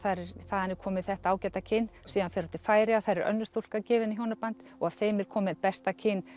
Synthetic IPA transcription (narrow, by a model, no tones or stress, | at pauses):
θaɾɛɾθaːðanɪɾ̥kʰɔːmɪðθɛht̪aaːwcɛt̪acʰɪnːsiːðanfɛːɾat̪ʰɪlfaːjɾɪaθaɾɛɾœ̰nːʏst̪ol̥kacɛːvɪnɪçjoːwnapant̪ɔɣav̥θeːjmɪɾ̥kʰɔːmɪðpɛst̪acʰɪnː